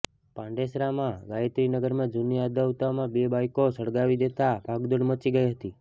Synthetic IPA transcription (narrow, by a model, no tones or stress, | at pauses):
pãɳɖesɾamãɡaet̪ɾinəɡəɾmãd͡ʒuniad̪əʋut̪amãbebajkosəɭɡaʋid̪et̪abʱaɡd̪əɽmət͡ʃiɡəjɦət̪i